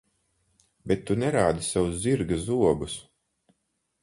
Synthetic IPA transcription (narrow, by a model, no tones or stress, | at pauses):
bɛt̪ːunɛɾaːd̪isawuzziɾɡasuɔbus